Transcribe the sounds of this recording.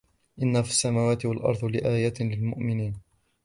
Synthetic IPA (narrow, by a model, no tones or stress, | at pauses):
ʔɪnːafɪsːamaːwaːt̪ɪwalʔɑ̰ɾˤd̪ˤlɪʔaːjat̪lɪlmʊʔmɪniːn